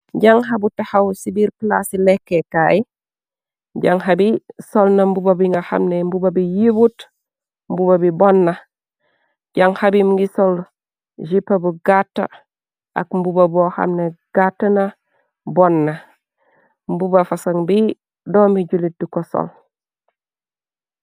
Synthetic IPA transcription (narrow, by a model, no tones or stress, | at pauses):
ɟaŋɦabutahawsibiɾkla̰silekːekaːi | ɟaŋɦabisolnambubabiŋɡaha̰mnembubabijibut | mbubabibɔnːa | ɟaŋhabimŋɡisol | ʒipːabuɡatːa̰ | ʔa̰kmbubaboha̰mneɡ̥atːana | bɔnːa | mbubafasaŋbi | domiɟulit̚dukoso̰l